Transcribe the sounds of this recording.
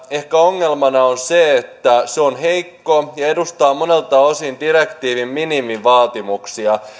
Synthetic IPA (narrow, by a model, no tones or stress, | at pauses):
e̞hkæo̞ŋːe̞lmɑnɑonseet̪ːæseonɦe̞jkːo̞jɑe̞dust̪ɑːmo̞ne̞lt̪ɑo̞sindiɾekt̪iːʋimminimiʋɑːt̪imuksiɑ